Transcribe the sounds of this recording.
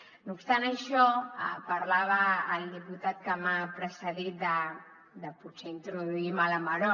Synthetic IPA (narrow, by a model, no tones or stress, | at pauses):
nupst̪anəʃɔəpəɾlaβ̞əːld̪iput̪at̪̚kəmapɾəsəðit̪̚d̪ə | d̪əpuseint̪ɾuðuimaləməɾɔ